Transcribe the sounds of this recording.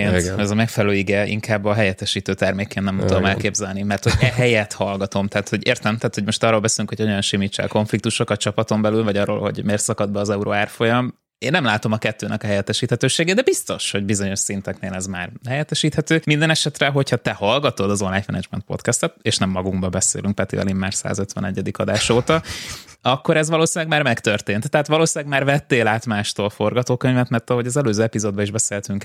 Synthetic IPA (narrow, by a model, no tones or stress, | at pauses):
enɛzɒmɛkfɛlɛløːiɡɛḭŋkʰaːbːɒɦɛjɛt̪ːɛʃiːt̪øːt̪ɛrmeːkeːnːɛmt̪ud̪omɛlkeːbzɛlnimɛrt̪hoɟɛɦɛjɛt̪hɒlɡɒt̪o̞mt̪aːt̪ho̞ɟeːrt̪ɛmt̪aːt̪ho̞ɟmo̞ʃt̪ɒːrːoːlbɛseːlyŋkhojɒɲojɒnʃimiːt͡ʃːɛ̰lko̞ɱflik̚t̪uʃo̞kɒt͡ʃɒpɒt̪o̞mbɛlylvɒɟɒrːo̰ːlho̞̰ɟmeːrsɒkɒd̪bɛːzɛuɾoaːrfo̞jɒm | eːnːɛmlaːt̪o̞mɒkɛt̪ːøːnɛkɒɛjɛt̪ːɛʃiːt̪hɛt̪øːʃeːɡed̪ɛbist̪o̞ʃho̞ɟbizo̞ɲo̞ʃsint̪ɛkneːlɛzmaːrɦɛjɛt̪ːɛʃiːt̪hɛt̪øːmind̪ɛnɛʃɛt̪rɛɦo̞chɒt̪ɛhɒlɡɒt̪o̞d̪ɒzonlaːj̪mɛ̰nɛd͡ʒmɛnt̪po̞̰t̪kɛst̪ɛt̪eʃnɛmːɒɡuŋɡbɒbɛsḛːlyŋk̚pɛt̪ḭɒ̰limːaːrsa̰ːzøt̪ʋɛ̰nɛɟːɛd̪ikɒd̪aːʃoːt̪ɒɒkːo̞ɾɛzʋɒloːsilɛɡmaːrmɛkt̪ørt̪eːnt̪ːɛɦaːt̪ʋɒloːsilɛɡmaːrvɛt̪ːeːlaːt̪maːʃt̪oːlfo̞rɡɒt̪oːkøɲvɛt̪mɛrt̪ɒɦo̞ɟɒzɛløːzøːɛpizoːd̪bɒiʒbɛseːlt̪yŋk